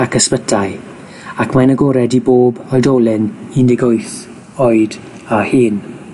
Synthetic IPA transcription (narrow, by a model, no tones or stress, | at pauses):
akəspətʰaj | akʰmanəɡoːɾɛdiboːbɔdoːlˠɪnindɪɡojθ | ɔɨd̥ | ahiːn